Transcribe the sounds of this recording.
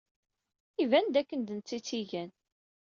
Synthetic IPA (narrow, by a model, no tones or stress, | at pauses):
ivænd̪ækːənd̪ənt͡sːit͡sːiʝæn